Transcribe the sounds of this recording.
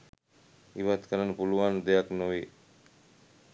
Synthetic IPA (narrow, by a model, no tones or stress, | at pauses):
iʋat̪kʰəɾənːəpuluʋand̪ejaknoʋi